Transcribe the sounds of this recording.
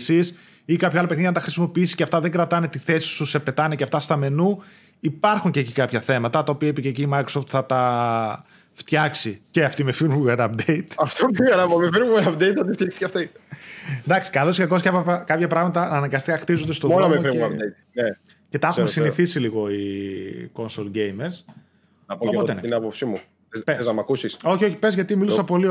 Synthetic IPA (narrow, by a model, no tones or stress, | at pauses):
sis | ikɐpçɐɐlɐpekniʝɐnɐt̪ɐxɾisimo̞piisisceɐft̪ɐðe̞ŋɡɾɐt̪ɐne̞t̪iθe̞si̥susepe̞t̪ɐneceɐft̪ɐst̪ɐme̞nu | ipɐɾxuɲceːcikɐpçɐθe̞mɐt̪ɐt̪ɐopiɐipiceciːmɐjkɾoso̞ft̪θɐt̪ɐ | ft̪çɐksiceɐft̪imefinuɣɐnɐp̚d̪eit̪ɐft̪ifiɣɐɾɐpɐmefiɾuɣɐɐpd̪ejt̪ɐt̪ift̪jɐksi̥cɐft̪i | d̪ɐksi̥kɐlosɐkoscɐpɐkɐpçɐpɾɐɣmɐt̪ɐːnɐŋɡɐst̪ikɐxt̪izond̪est̪omolɐmefɾiɐp̪eit̪ne | ce̞t̪ɐɐxumesinniθisiliɣo̞i | ko̞nsolɟejmeɾs | nɐpooot̪ent̪inɐpopsimu | epeznɐmɐkusiso̞çioçi̥pe̞zʝɐt̪imilusɐpo̞li